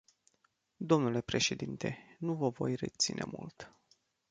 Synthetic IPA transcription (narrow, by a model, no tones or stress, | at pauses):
d̪o̞mnule̞pɾe̞ʃe̞d̪int̪e̞nuvəvo̞jret̪sinʔe̞̰mṵlt̪